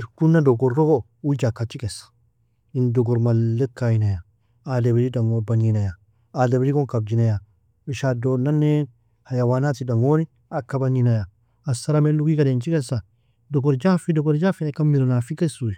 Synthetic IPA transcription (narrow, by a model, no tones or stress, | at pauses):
kunːadɔɡɔɾːɔɡo | ud͡ʒakːat͡ʃːikɛsḁ | indɔɡɔɾmalːekajinaja | adebiɾidaŋobaninaja | adebiɾikɔŋkab̚d͡ʒinaja | miʃadonanːe | hajawanat̪idaŋoni | akːabaninajaː | saɾameluɡikadent͡ʃikɛsa | dɔɡɔɾd͡ʒafidɔɡɔɾd͡ʒafiakamːiɾonafikasui